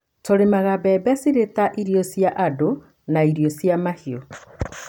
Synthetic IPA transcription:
toɾemaɣabɛbɛsiɾetaʔiɾiɔsjaʔado | naiɾijosiamahio

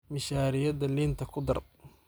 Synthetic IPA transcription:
mɪʃaːɾɪjɐd̪ɐliːnt̪ʰɐkʰʊd̪ɐ̰r

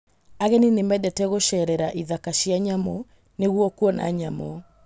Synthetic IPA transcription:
aɣɛninemɛdɛtɛɣoʃɛɾɛɾaʔiðakaʃiaɲamɔ | neɣwɔkuɔna̰ɲamɔ

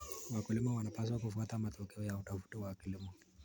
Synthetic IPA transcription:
wakulimɔwanapas̬wakufuatamatɔkɛɔjautafu̥tɔwakilimɔ

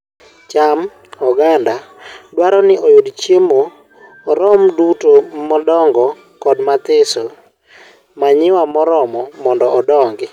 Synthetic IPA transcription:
t͡ʃam | ɔɡandadwaɾɔnɪʔojʊdt͡ʃjemoː | ɾɔmdutomɔdɔŋɡɔ | kɔdmat̪ɪso | maɲɪwamɔɾɔmɔmɔndɔɔdɔŋɡɪ

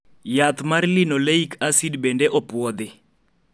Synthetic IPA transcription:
jat̪marlinɔleikasidbɛndɛʔɔpwɔd̪ɪ

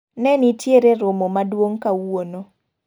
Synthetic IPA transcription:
nɛnitʰjeɾeɾʊmomadwoŋkawono

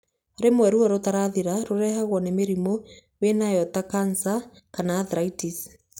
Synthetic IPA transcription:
ɾemwɛɾuɔɾot̪aɾaðiɾaɾoɾɛhaɣwɔnemeɾimo | wenajɔtakansa | kanaːðɾaitis

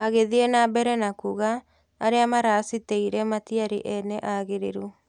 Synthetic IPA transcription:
aɣeðienabɛɾɛnakuɣa | aɾeamaɾasiteiɾɛmatiaɾḭʔɛnɛʔaɣeɾeɾu

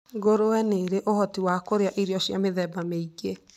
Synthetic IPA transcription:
ɡoɾowɛneɾeʔohɔtiwakoɾeaʔiɾjɔʃjameðɛbameiɡe

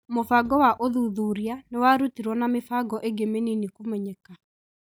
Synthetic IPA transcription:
mofaɡɔwaʔoðuðuɾianewaɾutiɾwɔnamefaɡɔʔeɡemeninikumɛɲɛka

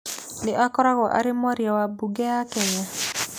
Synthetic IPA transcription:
nɪʔakɔɾakɔʔa̰ɾɪmɔɾjawabuɡɛakɛɲa

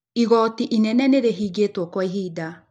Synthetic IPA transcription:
iɣɔːtiʔinɛnɛneɾeɦiːɡetwɔkwaiɦiːda

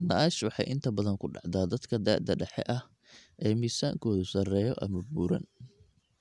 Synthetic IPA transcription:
nɐʔaːʃwɑħɑ̰jʔɪnt̪ʰɐbɐðɐŋkʰʊɖɑ̰ʕd̪aːd̪ɐd̪kʰɐd̪a̰ːd̪ɐɖɛħɛ̰ʔɐh | ʔɛːmiːsa̰ːŋkʰɔːðʊsɐrɛːjɔʔɐ̰mɐbuːɾɐ̰n

